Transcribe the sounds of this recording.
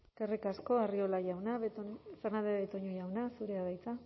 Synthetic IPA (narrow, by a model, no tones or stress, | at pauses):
kerikasko̞ario̞laʝawnaβet̪fernand̪eβet̪oɲoʝawnasuɾeaβajt͡sa